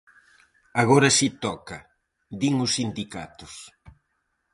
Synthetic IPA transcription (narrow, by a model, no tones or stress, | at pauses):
aɣoɾɐsit̪ɔkɐ | d̪iŋʊsːind̪ika̰t̪ʊs